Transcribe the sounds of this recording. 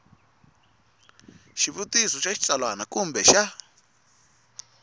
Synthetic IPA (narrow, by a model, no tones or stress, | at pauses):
ʃiβutisɔʃaʃi̥t͡salwanakumbɛʃa